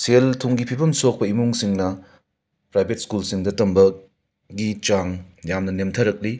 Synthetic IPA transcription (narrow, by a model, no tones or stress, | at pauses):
seltʰuŋɡipʰibɐmsok̚pɐimuŋsiŋnɐ | pɾajbʱet̚skulsiŋdɐtɐmbɐ | ɡit͡ʃaŋjamnɐnemtʰɐɾɐk̚li